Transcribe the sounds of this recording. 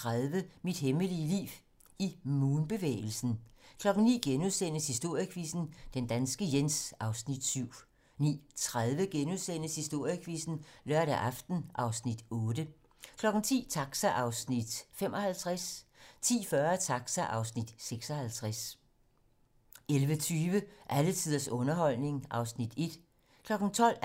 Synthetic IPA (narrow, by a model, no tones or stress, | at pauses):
t͡sʰʁaðˠʋəmid̥heməliəlḭːʋ | imuːnb̥e̝ʋḛːɪl̩sn̩kʰlɒ̽ɡ̥n̩nḭːɡ̥enuðˠsen̰əshisd̥o̝ɐ̰jəkʰʋisn̩d̥end̥ænsɡ̥əjensɑ̈ʊsnid̥syʊ̰ | nḭːt͡sʰʁaðˠʋəɡ̥enuðˠsen̰əshisd̥o̝ɐ̰jəkʰʋiːsn̩lɶɐ̰ɾæʔɑ̈fd̥n̩ʔɑ̈ʊsnid̥ɔ̽ːd̥ə | kʰlɒ̽ɡ̥n̩t͡sʰḭːt͡sʰɑ̈ɡ̥sæʔɑ̈ʊsnid̥fem̰ʔɒ̽hælt͡sʰʁast͡sʰḭːfɶɐt͡sʰɑ̈ɡ̥sæʔɑ̈ʊsnid̥seɡ̥sɒ̽hælt͡sʰʁas | elʋət͡sʰyːʋəʔælət͡sʰið̰ˠɐsɔ̽nɐɦɒ̽l̰ne̝ŋʔɑ̈ʊsnid̥e̝d̥ | kʰlɒ̽ɡ̥n̩t͡sʰɒ̽l̰